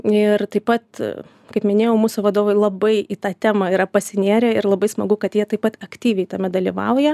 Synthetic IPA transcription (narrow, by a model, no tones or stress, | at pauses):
ɪrt̪ɐɪpɐt̪ | kɐɪpmʲɪnʲeːjɛʊmuːsʊʋɐd̪oːʋɐɪlˠɐbɐɪʔit̪ɑːt̪ʲæːmɐːiːɾɐpɐsʲɪnʲeːɾʲɛɪɾlˠɐbɐɪsmɐɡʊkɐt̪jiɛt̪ɐɪpɐt̪ɐkt̪ʲiːʋʲɛɪt̪ɐmʲɛd̪ɐlʲiʋɐʊjɛ